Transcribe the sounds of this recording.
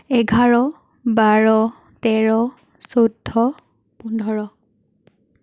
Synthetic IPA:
ɛɡʱaɹɔ | baɹɔ | tɛɹɔ | sodʱːɔ | pundʱɔɹɔ

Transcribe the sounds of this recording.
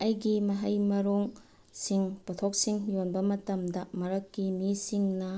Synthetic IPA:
ɐjɡimɐɦɐjmɐɾoŋ | siŋpɐtʰok̚siŋjonbɐmɐtɐmdɐmɐɾɐkːimisiŋnɐ

